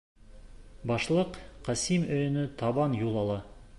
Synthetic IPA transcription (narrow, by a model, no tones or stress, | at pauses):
bɑʃlˠəqqʰːɑsimɵjnɪt̪ʰɑbɑnjulˠɑlˠɑ